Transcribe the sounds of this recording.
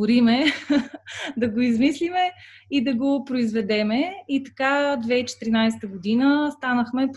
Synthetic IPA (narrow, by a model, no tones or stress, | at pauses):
ʊɾimɛ | d̪ɐɡoizmislimɛ | id̪ɐɡopɾoizvɛd̪ɛmɛit̪ɐ̥kad̪vɛit͡ʃɛ̥t̪ɾinajsɛ̥t̪əɡʊd̪inəst̪anəxmɛp